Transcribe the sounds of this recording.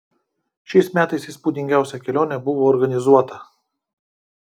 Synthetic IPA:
ʃʲɛɪsmʲæːt̪ɐɪsɪspuːd̪ʲɪŋʲɡʲæˑʊsʲɛkʲɛlʲoːnʲɛbʊʋoːɔɾɡɐnʲɪzuɔt̪ɐ

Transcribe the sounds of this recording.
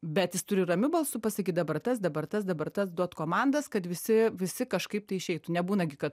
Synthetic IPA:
bʲɛt̪jɪst̪ʊɾʲɪrɐmʲʊbɐlˠsʊpɐsɐkʲiːt̪̚d̪ɐbɐrt̪ɐsd̪ɐbɐrt̪ɐsd̪ɐbɐrt̪ɐsd̪uɔt̪koːmɑnd̪ɐskɐt̪ʋʲɪsʲɪʋʲɪsʲɪkɐʃkɐɪp̚t̪ɐɪɪʃʲɛɪt̪ʊnʲɛbuːnɐɡʲɪkɐt̪

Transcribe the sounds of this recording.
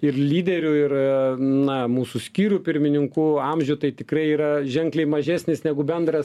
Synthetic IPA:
ɪrlʲiːd̪ʲɛɾʲʊɪrnɐmuːsʊsʲkʲiːɾupʲɪɾʲmʲɪnʲɪŋkuɐmʲʒʲʊt̪ɐɪt̪ʲɪkrɐɪiːɾɐʒʲɛŋklʲɛɪmɐʒʲæːsʲnʲɪsnʲæɡʊbʲɛnd̪ɾɐs

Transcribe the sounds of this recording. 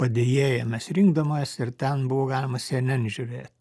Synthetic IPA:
pɐd̪ʲeːjeːjɛmʲɛsɾʲɪŋɡd̪ɐmɐsɪɾt̪ʲɛnbʊʋoːɡɑːlʲɪmɐsʲɛnʲɛnʒʲʊɾʲeːt̪ʲ

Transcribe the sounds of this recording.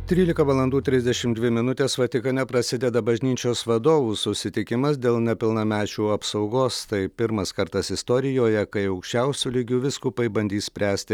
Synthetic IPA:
t̪ʲɾʲiːlʲɪkɐʋɐlˠɐnd̪uːt̪ʲɾʲɪzʲd̪ʲɛʃʲɪmd̪ʲʋʲɪmʲɪnʊt̪ʲeːsʋɐt̪ʲɪkɐnʲɛpɾɐsʲɪd̪ʲɛd̪ɐbɐʒʲnʲiːt͡ʃʲoːsʋɐd̪oːʋusʊsʲɪt̪ʲɪkʲɪmɐsd̪ʲeːlˠnʲɛpʲɪlˠnɐmʲæːt͡ʃʲuːɐpsɒʊɡoːst̪ɐɪpʲɪɾmɐskɐɾt̪ɐsɪst̪ɔːɾʲɪjoːjɛkɐɪɐʊkʃʲt͡ʃʲɛʊsʲuːlʲɪɡʲuːʋʲɪskuːpɐɪbɐnʲd̪ʲiːssʲpʲɾʲæːsʲt̪ʲɪ

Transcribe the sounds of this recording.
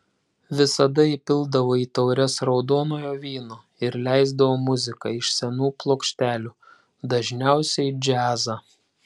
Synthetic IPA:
ʋʲɪsɐd̪ɐipʲɪlˠd̪ɐʋoːiːt̪ɐʊɾʲɛsɾɒʊd̪oːnoːjoːʋʲiːnoː | ɪɾlʲæɪzd̪ɐʋoːmʊzʲɪkɑɪʃsʲɛnuːplˠoːkʃʲt̪ʲæːlʲuː | d̪ɐʒʲnʲɛˑʊsʲɛɪd͡ʒʲæːzɑː

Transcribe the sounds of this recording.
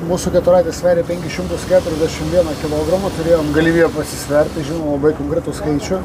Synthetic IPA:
muːsʊkʲɛt̪ʊɾɑɪt̪ʲeːsʲʋʲæːɾʲeːpʲɛŋʲkʲɪʃʲɪmt̪ʊskʲæːt̪ʊɾʲɛzʲd̪ʲæʃʲɪmʋʲiɛnɐkʲɪlˠoɡɾɐmɐt̪ʊɾʲeːjoːmɡɐlʲiːʋʲiːjɛpɐsʲɪsʲʋʲɛɾʲt̪ʲɪʒʲɪnoːmlˠɐbɐɪkoːŋkɾʲɪt̪ʊskɐɪt͡ʃʲʊ

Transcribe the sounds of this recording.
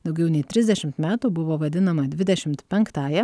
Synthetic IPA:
d̪ɒʊɡʲɛʊnʲɛɪt̪ʲɾʲɪzʲd̪ʲɛʃʲɪmt̪mʲæːt̪uːbʊʋoːʋɐd̪ʲɪnɐmɐd̪ʲʋʲɪd̪ʲɛʃʲɪmt̪pʲɛŋkt̪ɑːjɛ

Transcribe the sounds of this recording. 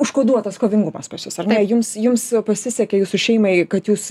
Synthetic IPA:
ʊʃkoːd̪uɔt̪ɐskoːʋʲɪŋɡʊmɐspɐsʲjʲʊsɐrnʲɛjʊmsjʊmspɐsʲɪsʲɛkʲɛjuːsʊʃʲɛɪmɐɪkɐt̪juːs

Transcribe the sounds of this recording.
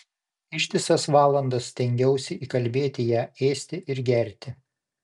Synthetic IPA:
ɪʃʲt̪ʲɪsɐsʋɑːlˠɐnd̪ɐst̪ʲɛŋʲɡʲɛʊsʲɛiːkɐlʲbʲeːt̪ʲɪjæːeːsʲt̪ʲɪʔɪɾɡʲɛɾʲt̪ʲɪ

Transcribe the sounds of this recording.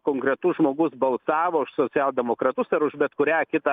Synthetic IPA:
koːŋkɾʲɛt̪ʊsʒmoːɡʊsbɐlˠsɑːʋoːʊʃsoːt͡ssʲɛːlˠd̪ʲɛmoːkɾɑt̪ʊsɐɾʊʒbʲɛt̪kʊɾʲæːkʲɪt̪ɐ

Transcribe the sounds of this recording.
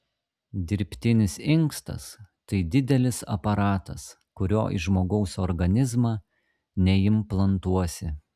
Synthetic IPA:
d̪ʲɪɾʲpʲt̪ʲɪnʲɪsɪŋkst̪ɐ̰st̪ɐɪd̪ʲɪd̪ʲɛlʲɪsɐ̰pɐɾɑːt̪ɐs | kʊɾʲo̰ːʔɪ̰ʒmoːɡɐʊsɔɾɡɐnʲɪzmɑː | nʲɛjɪmplˠɐnt̪uɔsʲɪ

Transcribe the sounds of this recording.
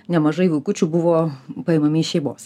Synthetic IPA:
nʲɛmɐʒɐɪʋʊɪkʊt͡ʃʲuːbʊʋoːpɐemɐmʲɪːʃʲɛɪmoːs

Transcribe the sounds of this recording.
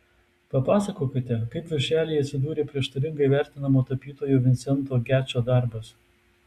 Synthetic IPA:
pɐpɑːsɐkoːkʲɪt̪ʲɛkɐɪpʋʲɪɾʲʃʲæːlʲeɪɐt̪ʲsʲɪd̪uːɾʲeːpʲɾʲiɛʃt̪ɐɾʲɪŋɡɐɪʋʲæˑɾʲt̪ʲɪnɐmoːt̪ɐpʲiːt̪oːjoːʋʲɪnt̪sʲɛnt̪oːɡʲæːt͡ʃʲoːd̪ɑˑɾbɐs

